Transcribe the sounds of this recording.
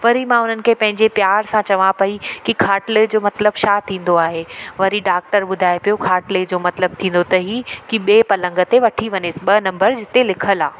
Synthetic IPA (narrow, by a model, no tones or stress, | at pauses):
ʋɐɾimãʊn̤ənɪ̆kʰepɐ̃ɦɪ̃ɲd͡ʑepjaːɾsãt͡ɕɐʋãpɐikikʰaːʈled͡ʑoːmɐt̪ləbʃaːt̪ʰĩːn̆d̪oaːɦeʋɐɾiɖaːk̚ʈəɾɓʊd̪ʱaːepijokʰaːʈled͡ʑoːmɐt̪ləb̚t̪ʰĩːn̆d̪ot̪ɐɦikiɓeːpɐlə̃ŋɡə̆t̪eʋɐʈʰiʋɐɲɪsɪɓɐnɐ̃mbəɾd͡ʑɪt̪elɪkʰəlaː